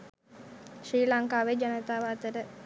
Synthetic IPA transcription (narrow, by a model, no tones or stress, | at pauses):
ʃriːlaŋkaːʋed͡ʒanət̪aːʋaːt̪əɾə